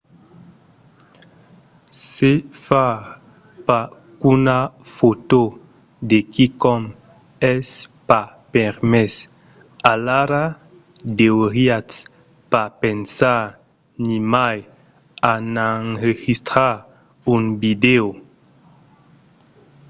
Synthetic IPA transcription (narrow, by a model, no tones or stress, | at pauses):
sefa | pa | kunafot̪o | d̪ekikɔm | ɛspa | peɾmɛs | alaɾa | d̪eoɾias | papensa | nimaj | anaŋɾeɣist̪ɾa | unbid̪ew